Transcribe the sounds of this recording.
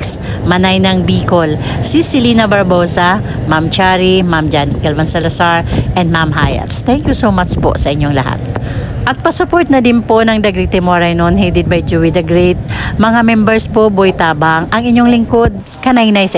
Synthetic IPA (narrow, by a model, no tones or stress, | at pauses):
ks | mɐnajnɐŋbiːkol | sisɪlinɐbɐɹboːsɐ | mamt͡ʃaɾimamd͡ʒankɛlvɐnsɛlɐsaɹʔɛnd̪mamɦa̰jɐ̰t̪st̪ɛŋkjusowmat͡ʃpo̰ʔsɐʔɪɲːoŋlɐ̰ha̰t̪̚ | ʔɐt̪̚pɐsʊpoɹt̪̚nɐd̪ɪnpo̞nɐŋd̪ɐɡɾit̪ːɛmoɹɐjnonhejd̪ɪd̪̚bɐjd͡ʒuwid̪ɐɡɾet̪̚mɐŋamɛmbɛɹspobojt̪aːbɐŋʔɐŋɪɲːoŋlɪŋkod̪̚ | kɐnajnajsɐ